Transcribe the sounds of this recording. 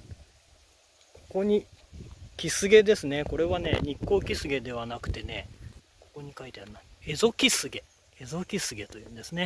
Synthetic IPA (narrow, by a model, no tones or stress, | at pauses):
ko̞̥ko̞ɲ̟i | kʲisɨɡe̞d̪e̞sɨne̞ko̞ɾe̞βane̞̰ɲ̟ikːo̞ːkʲisɨɡe̞d̪e̞β̞anakɯ̟̥t̪e̞ne̞ | ko̞̥ko̞ɲ̟ikait̪eanːaezo̞kʲisɨɡe̞ | ezo̞kʲisɨɡe̞t̪o̞jɯ̟̃ːnd̪esɨne̞